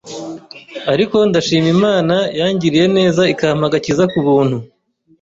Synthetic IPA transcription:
aɾiko̞ndaʃiːmimaːnajaːɲɟiɾije̞ne̞ːzaikamaɡacizakuβuːnhu

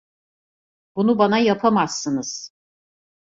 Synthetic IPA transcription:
bunubanajapʰamasːɯnɯz̥

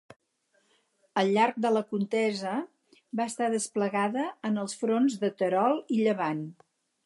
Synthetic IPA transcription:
əlˠʎːaɾk̚d̪ələkunt̪ɛzə | baəst̪aðəspləɣaðəːnəlˠsfɾonzðət̪əɾɔlˠiʎəβan

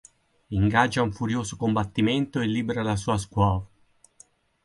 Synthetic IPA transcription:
iŋɡad͡ʒːauɱfuɾjoːzokombat̪ːiment̪oelːiːbeɾalasuːaskwɔːva

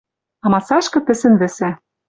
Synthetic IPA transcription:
ɑmɑsɑʃkɤ̆t̪ɘ̆sɘ̆nvɘ̆sæ

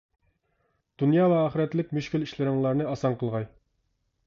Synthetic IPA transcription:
d̪̥unjɑːvɛɑːχəɾɛt̪lɪk̚ʲmyʃkʲiliʃlɪɾɪŋlˠɑɾnɨɑsɑɴqʰəlˠʁɑj

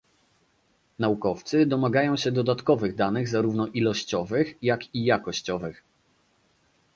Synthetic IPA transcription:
naukɔft̪sɘd̪ɔmaɡajɔ̃w̃ɕɛd̪ɔd̪at̪kɔvɘɣd̪anɘɣzaɾuvnɔʔilɔɕt͡ɕɔvɘxjakʲijakɔɕt͡ɕɔvɘx

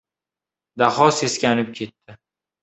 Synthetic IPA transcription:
d̪aχɒse̞skʲanɪp̚kʲʰe̞t̪ːɪ

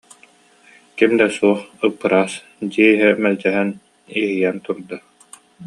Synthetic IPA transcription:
kimd̪ɛsuɔχɯpːɯɾaːs | d̪iɛiɦɛmɛld͡ʑɛɦɛn | iɦijɛnt̪uɾd̪a

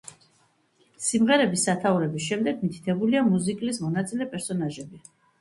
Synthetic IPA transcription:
simʁɛɾɛbisːat̪ʰauɾɛbisʃɛmd̪ɛɡmit̪ʰi̥t̪ʰɛbuliamuzikʼlismɔnat̪sʼilɛpʼɛɾsɔnaʒɛbi

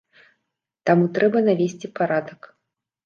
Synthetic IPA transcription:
t̪amut̪ɾɛbɐnavʲesʲt͡sʲipaɾad̪ɐk

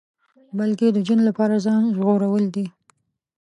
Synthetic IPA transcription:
balked̪əd͡ʒanlapɑɾazɑnʒɣoɾawəld̪i

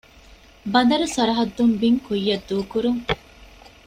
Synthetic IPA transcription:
bɐd̪ɐɾusɐɾɐɦɐd̪ːumbiŋkujːɐd̪ːuːkuɾuŋ

